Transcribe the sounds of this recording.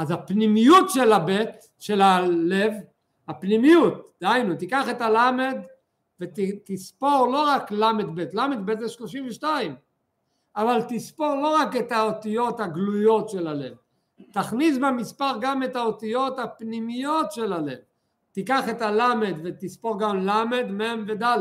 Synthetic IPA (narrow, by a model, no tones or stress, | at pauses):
ʔazapnimijutʃe̞labet̪ | ʃe̞lale̞v | hapnimijut̪̚d̪̥eajnut̪ikaχe̞talame̞d̪ | vettispo̞ʁlo̞ʁaklamed̪be̞t̪lamed̪̚betzeʃlo̞ʃimveʃtaim | avalt̪ispo̞ʁlo̞ʁake̞t̪aot̪ijo̞thaɡlujo̞tʃe̞lale̞̰v | t̪aχnisbemispaʁɡame̞tao̞t̪ijo̞t̪apnimijo̞tʃe̞lale̞̰v | tikaχe̞talame̞d̪vet̪ispo̞ʁɡamlame̞d̪memved̪al